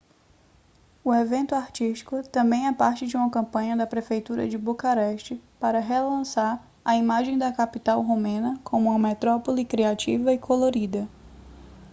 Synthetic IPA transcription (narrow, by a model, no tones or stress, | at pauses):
ʊevẽnt̪ʊaɾt͡ʃiʃt͡ʃi̥kʊt̪ɐ̃mbẽj̃ɛpaɾt͡ʃɪd͡ʒiũmɐkɐ̃mpɐ̃ɲɐd̪ɐpɾefejt̪uɾɐ̰d͡ʒɪbukaɾɛʃt͡ʃɪpaɾɐɦelɐ̃saɾ | ɐimaʒẽj̃d̪ɐkapit̪awɦomẽnɐkʰõmʊũmɐmet̪ɾɔpolikɾiat͡ʃivɐɪikʰoloɾid̪ɐ